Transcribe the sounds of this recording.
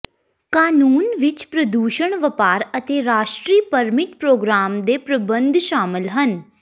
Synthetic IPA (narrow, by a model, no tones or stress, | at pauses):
kaːnuːnʋɪt͡ʃpɾəd̪uːʃəɳ̃ʋəpaːɾət̪eːɾaːʃʈɾiːpəɾmɪʈpɾoːɡɾaːmd̪eːpɾəbə̃nd̪ʱʃaːmɪlɦən